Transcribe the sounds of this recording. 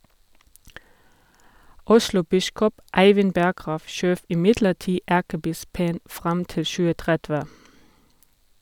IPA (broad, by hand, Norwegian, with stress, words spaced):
ˈʊʃlʊˌbɪskɔp ˈæɪʋɪn ˈbæɡʁɑːʋ ˈʃøːʋ ɪˈmɪdləˌtiː ˈækəˌbɪspən ˈfʁɑm ˈtɪl ˈʃʉːə ˈtʁɛdʋɛ